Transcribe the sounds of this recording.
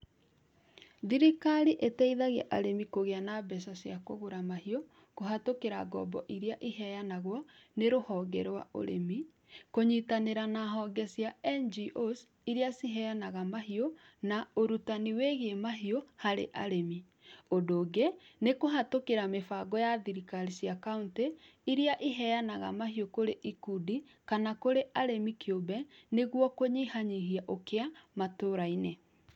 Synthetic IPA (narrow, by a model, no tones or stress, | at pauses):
ðiɾikaɾiʔetɛiðaɣɛʔaɾemikoɣeanabɛsasjakoɣoɾamahio | koɦatokeɾa̰ɡɔ̰bɔʔiɾeaʔiɦɛjanaɣwɔneɾohɔɡɛɾwa̰ʔo̰ɾḛmi | koɲitaneɾanaɦɔɡɛsjaɛnd͡ʒiʔos | iɾeasiɦɛjanaɣamaɦio | naoɾutaniweɣemaɦiohaɾḛʔa̰ɾemi | odoːɡenekoɦatokeɾamefaɡɔjaðiɾikaɾisjakaunte | iɾiaʔiɦɛjanaɣa̰maɦiokoɾeʔikudi | kanakoɾeʔaɾemikʰjobɛneɣwɔkoɲihaɲiɦiaʔokeamatoːɾaine